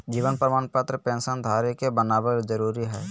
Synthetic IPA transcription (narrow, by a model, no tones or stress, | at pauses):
d͡ʒiːʋənpɾəmaːnpat̪ɾəpɛ̃ːnsənd̪ʱaːɾjekebənaːbəd͡ʒəɾuːɾiɦɛː